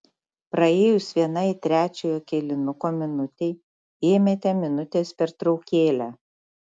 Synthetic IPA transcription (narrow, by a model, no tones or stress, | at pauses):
pɾɐeːjʊsʋʲiɛnɐɪt̪ʲɾʲæːt͡ʃʲoːjoːkʲɛlʲɪnʊkoːmʲɪnʊt̪ʲɛɪ | eːmʲet̪ʲɛmʲɪnʊt̪ʲeːspʲɛɾt̪ɾɒʊkʲeːlʲæː